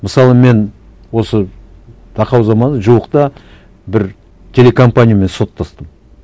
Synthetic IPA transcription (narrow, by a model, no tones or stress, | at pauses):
məsɑlˠəme̞n | wo̞sə | d̪̥ʰɑqɑwzɑmɑnəʒuwəqt̪ɑ | bɪɾ | t̪ʲʰe̞le̞kʰo̞mpanʲijame̞nso̞t̪ʰːɑst̪əm